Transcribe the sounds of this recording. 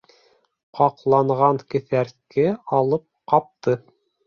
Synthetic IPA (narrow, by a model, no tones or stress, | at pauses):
qɑqlˠɑɴʁɑŋkɘ̆θæɾkɘɑlˠɤp̚qɑp̚t̪ɤ